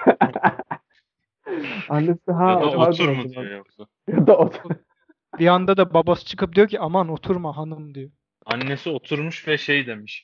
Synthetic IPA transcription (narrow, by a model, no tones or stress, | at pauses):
anːesiɦaaad̪uɾmudd̪ijok̚sa | jad̪aot̪ʰu | biand̪ad̪ababasɯ̥t͡ʃʰɯ̥kɯp̚d̪ijociʔamano̞t̪ʰuɾmaɦanɯmd̪ijo | anːesio̞t̪ʰuɾmuʃvɛʃejd̪e̞miʃ